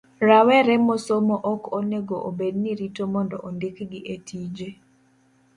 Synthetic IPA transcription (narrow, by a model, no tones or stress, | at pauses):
ɾawɛɾɛmosomoʔɔkoneɡoʔobedniɾitomɔndɔʔondɪkɡɪʔetʰid͡ʒe